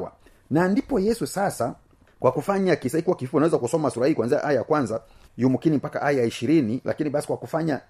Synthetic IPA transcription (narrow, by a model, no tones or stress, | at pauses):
a̰ | nandipɔjɛsusasa | kwʔakufaɲakisaikuwakifi̥fɔnawɛzakusɔmasuɾahihikwanzia̰ʔajajakwanza | jumukinim̩paka̰ʔajajaiʃiɾinilʔa̰kiniɓasi̥kwakufaɲa